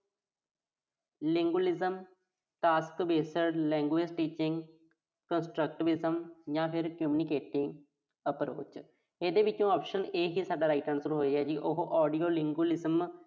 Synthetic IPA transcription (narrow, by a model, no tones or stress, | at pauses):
lɪ̃ŋɡulɪzəm | ʈaːskbeːsəɾɽlɛ̃ːŋɡwɪsʈiːt͡ʃɪ̃ŋɡ | kənsʈɾək̚ʈɪʋɪzəmjãːpʰɪɾkʊmuːnɪkeːʈɪ̃ŋɡ | əpɾo̰ːt͡ʃ | eːd̪eːʋɪt͡ʃõɔːpʃəneːɦiːsaːɖaːɾaːiʈəɾnsəɾuːɦoːid͡ʒɛːd͡ʒiːʔoɦʔɔːɖijoːlɪ̃ŋɡwulɪzəm